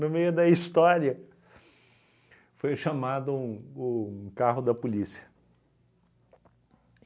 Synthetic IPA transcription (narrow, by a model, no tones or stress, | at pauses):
nemejʊd̪ɐist̪ɔɾiɐ | fojʃɐmad̪ʊ̃ː | kaɦʊd̪ɐpolisiɐ̥